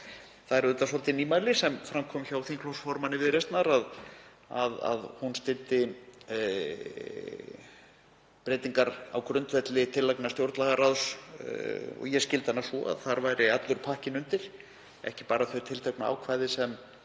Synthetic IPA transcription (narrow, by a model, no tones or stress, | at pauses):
θaðɛɾʏt̪asɔlt̪ɪniːmajlɪsɛmfɾamkʰɔmçawθiŋkʰlɔwsfɔɾmanːɪvɪðɾejst̪naɾað | aða̰ðhunst̪ɪlt̪ɪ | pɾeːjt̪iŋkaɾa̰wkʰɾʏnt̪vɛt̪lɪt̪ʰɪlːajknḁst̪jowɾt̪laɣaɾaðs | ɔ̰ɣjɛscɪlt̪hanːasɔ̰a̰ðθaɾvajɾɪat̪lʏɾ̥pʰahcɪnʏnt̪ɪɾ̥ | ɛ̰hcɪpaːɾaθœɥt̪ʰɪlt̪ʰɛknaa̰wkʰvaːjðɪsɛm